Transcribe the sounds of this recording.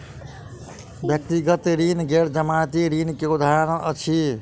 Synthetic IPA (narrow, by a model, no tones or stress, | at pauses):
bjək̚t̪iɡət̪ɾinɡeɽd͡ʒəmat̪iɾinkeud̪ʱaɾnəʔət͡ʃʰi